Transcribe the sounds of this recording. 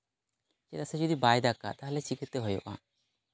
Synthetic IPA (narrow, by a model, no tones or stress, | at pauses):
t͡ʃɛt̪asɛd͡ʒɔd̪ibajd̪aka̰t̪aɦalɛt͡ʃikʰɛt̪ɛɦɔjɔ̰ʔa̰